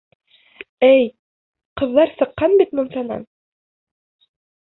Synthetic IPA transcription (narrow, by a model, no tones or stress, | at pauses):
ɘj | qɤ̆ðlːˠɑɾsɤ̆qːɑnbit̪mɤ̆msɑnɑ̰n